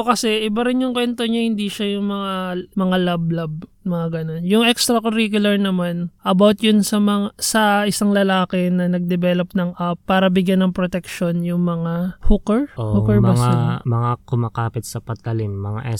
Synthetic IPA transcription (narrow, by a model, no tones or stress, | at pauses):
kɐsɛʔɪbaɾɪnjʊŋkwɛnt̪o̞ɲahɪnd̪iʃajʊŋmɐŋamɐŋalab̚lab̚mɐŋaɡɐno̞njʊŋʔɛkst̪ɾɐkoɾikjʊlɐɹnɐmanʔɐbawt̪jʊnsɐmɐŋasɐʔɪsaŋlɐlaːkɛnɐnɐɡ̚d̪ɛbɛlopnɐŋʔɐpːaːɾɐbɪɡjanːɐŋpɾot̪ɛkʃo̞njʊŋmɐŋahukɐɹʔoʔukɐɹmbasŋamɐŋakʊmaːkaːpɪt̪̚sɐpɐt̪̚ːɐlimːɐŋa̰ʔɛs